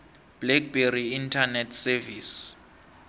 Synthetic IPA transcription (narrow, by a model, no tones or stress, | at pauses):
b̥lɛk̚beriintʰanɛtʰsɛvis